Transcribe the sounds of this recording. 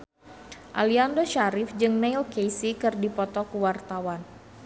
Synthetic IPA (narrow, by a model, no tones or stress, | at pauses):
ʔa̰liandoʃaɾifd͡ʒɨŋneajlkejsikɨrdipɔt̪ɔkuwart̪awan